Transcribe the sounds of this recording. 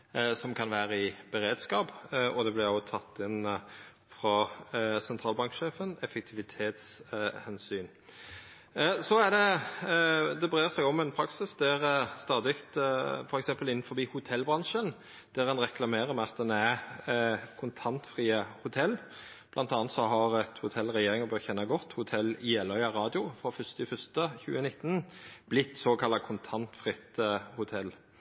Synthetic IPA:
sɔmkʰɑnʋæːɾəɪbɛɾeːd̪skɑːpʔɔd̪ɛblɪʁot̪ʰɑt̪ːɪn | fʁɑsɛnt̪ʰʁɑːlbɑŋkʃeːfənɛfɛk̚t̪ʰɪʋɪt̪ʰeːt̪shɛnsyːn | sɔæd̪ɛ | d̪ɛbʁeːʁsæɡɔmːɛnpʰɾɑksɪsd̪æʁst̪ɑːd̪ɪkt̪fɔɾɛksɛmpəlɪnːn̩fɔbiːhʊt̪ʰɛlbʁɑnʃən | d̪̥æɾɛnʁɛklɑmeːɾəɾmɛɑt̪̚d̪ɛnæ | kʰʊnt̪ʰɑnt̪fʁiːəhʊt̪ʰɛlː | b̥lʔɑnt̪ɑːnət̪sɔɦɑɾɛt̪hʊt̪ʰɛlʁɛjeːɾɪŋɔbøːçɛnːɑɡɔt̪ːhʊt̪ʰɛlːɪɛlːœʏɑʁɑːd̪ɪʊfɾɔfœst̪ɪfœst̪əçʉ̰ːənɪt̪ːənb̥lɪt̪ːsoːkʰɑlːɑkʰʊnt̪ʰɑnt̪fɾʁɪt̪hʊt̪ʰɛlː

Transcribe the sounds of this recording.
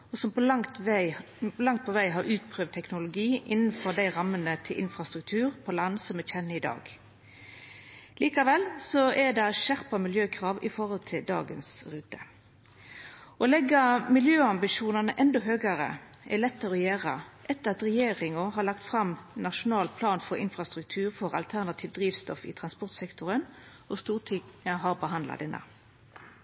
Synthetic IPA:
ɔsɔmpɔlɑŋt̪ʋæɪ | lɑŋt̪̚pʰɔʋæɪɦɑɾʔʉːt̪pʰʁøːʋd̪t̪ʰːɛknʊlʊɡiːʔɪnːnfɔɾd̪æɪʁɑmːənət̪ʰɪlʔɪ̰nfʁɑst̪ʁʉk̚t̪ʰʉːʁpʰɔlɑnsɔmɛçɛnːəɪd̪ɑ̰ːɡ̥ | liːkɑʋɛlsɔʔɛd̪ɛʃæʁpɑmɪljøːkʰʁɑːʋɪfɔʁɔlt̪ʰɪld̪ɑ̰ːɡə̰nsʁʉːt̪ə | ɔlɛɡɑmɪljøːɑmbɪʃuːnɑnəʔɛnd̪ɔɦøːɡəʁə̰ | ʔɛlɛt̪ːəʁɔjæːʁəʔɛt̪ːəʁɑt̪ʁɛjeːʁɪŋʊɦɑlɑkt̪fʁɑmnɑʂʊnɑːlpʰlɑːnfɔʁɪnfʁɑst̪ʁʉk̚t̪ʰʉːʁfɔʁɑ̰lt̪ʰæʁnɑt̪ʰiːʋd̪ɾiːʋst̪ɔfɪ̰ːt̪ʰʁɑnspɔʁt̪sɛkt̪ʊʁən | ɔst̪uːʁt̪ʰɪəɦɑʁbəɦɑnd̪lɑ̰d̪ɛnːə̰

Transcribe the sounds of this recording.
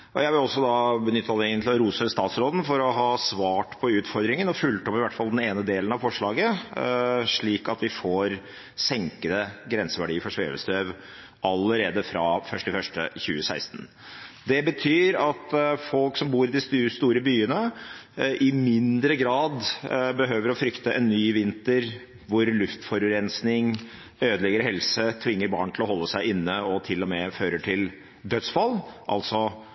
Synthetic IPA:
ʔɔ̰jæɪʋɪlɔsːɔd̪ɑbənʏt̪ʰːəɑləɛŋənt̪lɪlɾuːsəst̪ɑːt̪sɾoːd̪n̩fɔɾɔɦɑːsʋɑːʈpʰɔʉːt̪fɔɾd̪ɾɪŋənɔfʉlt̪ɔpɪʋæʈfɑld̪ɛneːnəd̪eːln̩ɑʋfɔʂɭɑːɡə | ʂɭiːkɑt̪ʋɪfoːɾ | sɛŋkəd̪əɡɾɛnsəʋæɖiːfɔʂʋḛːʋə̰st̪øːʋ | ʔɑlːəɾeːd̪əfɾɑfœʂʈɪfœʂʈə̰çʉ̰ːəsæ̰ɪst̪n̩ | d̪ɛbət̪ʰyːɾɑt̪fɔlksɔmbuːɾɪd̪ɪsst̪uːɾəbyːənə | ʔɪmɪnd̪ɾəɡɾɑːd̪bəɦøːʋəɾɔfɾʏkt̪əʔɛnːyːʋɪnt̪əɾ | ʋʊɾlʉft̪fɔɾɾɛnsnɪŋ | øːd̪əlɛɡəɾɦɛlsət̪ʰʋɪŋːəɾbɑ̰ːɳt̪ʰlɔɦɔlːəsæɪɪnːəɔt̪ʰɪlːɔmɛføːɾəʈʰɪl | d̪œt̪sfɑlʔɑ̰lt̪sɔ

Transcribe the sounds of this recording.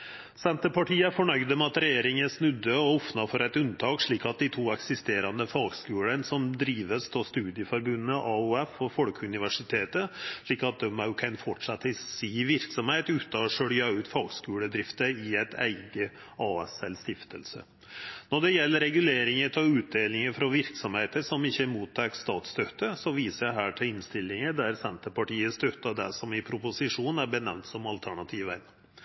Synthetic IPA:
sɛnt̪əpɑʈʰiːəfɔɳœʏd̪əmɛɑt̪ɾɛjeːɾɪŋəsnʉd̪ːəɔɔfnɑfɔɾɛt̪ʉnt̪ʰɑːkʂɭiːkɑt̪̚d̪ɪt̪ʰuːɛksɪst̪eːɾɑnd̪əfɑːɡskʉːɽənsɔmd̪ɾiːʋəst̪ʰɔst̪ʉːd̪ɪəfɔɾbʉnːəʔɑʉɛfɔfɔlkʰʉnɪʋæʂɪt̪ʰeːt̪əʂɭiːkɑt̪̚d̪ɛmaʊkʰɛnfɔʈʂɑt̪ːɪsiːʋɪɾksɔmheːt̪ʉːt̪ɑɔʂœɽjɑʉːt̪fɑːɡskʉːɽəd̪ɾɪft̪əɪæɪt̪ʰæ̰ɪɡə | ɑːɛsɛlst̪ɪft̪ʰə̰lsə̰ | nɔɖɛjɛlːəɾɛɡʉleːɾɪŋət̪ʰɑʉːt̪̚d̪eːlɪŋəfɾɑʋɪɾksɔmheːt̪əsɔmɪçːəmuːt̪ʰːɑkst̪ɑːt̪st̪œt̪ːəsɔʋiːsəjæɦæːʈʰɪlɪnst̪ɪlːɪŋəd̪æɾsɛnt̪əpɑʈiːəst̪œt̪ːɑd̪æ̰sɔmɪpʰɾʊpʊsɪʂuːnæɾbənɛʋnt̪sɔmɑlt̪ʰæɳɑt̪ʰiːʋæɪn

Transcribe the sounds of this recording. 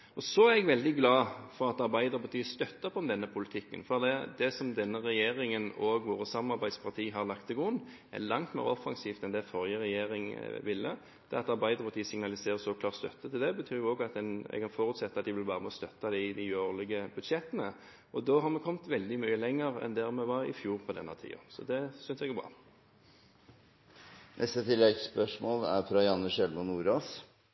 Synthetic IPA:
ɔsɔæɾɛɡʋɛld̪ɪɡlɑːfɔʁɑt̪ɑɾbæɪd̪əɾpɑt̪yːst̪œt̪ːɑpʰɔɔmd̪ɛnːəpʰʊlɪt̪ʰɪkːə̰nfɔɑd̪ɛd̪ɛsɔmd̪ɛnːəɾɛjeːɾɪŋənoːɡʋoːɾəsɑmɑɾbæɪd̪spʰɑʁt̪ʰiːɦɑɾlɑkt̪ɛɡʊnː | æ̰ɾlɑŋt̪mḛːɾɔfɑŋsiːft̪ɛnd̪ɛfɔɾjəɾɛjeːɾɪŋʋɪlːə̰ | d̪̥ɛɑt̪ɑɾbæɪəɾpʰɑt̪iːəsɪŋnɑlɪseːʁəsɔkʰlɑːɾt̪st̪œ̰t̪ːət̪ʰɪld̪ɛbət̪ʰyːɾjʊoːɡɑt̪ɛnɛ̰ɡɑnfoːɾʉt̪sɛt̪ːəɑt̪d̪ɪʋɪlbɑːʁəmɔst̪œt̪ːɑd̪ɪɪd̪ɪʉoːlɪɡəbʉd̪ʂɛt̪ːənə | ɔd̪oːɦɑɾmɛkʰɔmt̪ʋɛld̪ɪmyːəlɛŋːəʁɛ̰nd̪æʁmɛʋɑɾɪ̰fjuːʁpʰɔd̪ɛ̰nːət̪ʰḭːɑ̰sɔ̰d̪ɛsʏnsɛɡæbʁɑ̰ː | nʔɛ̰st̪ət̪ʰɪlːɛɡspœʂmoːlæ̰ɾfɾɑjɑnːəʂɛlmɑnuːɾoːs

